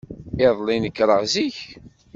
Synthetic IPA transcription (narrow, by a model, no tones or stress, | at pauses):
ɪðˤlinəkːɾˤəʁziç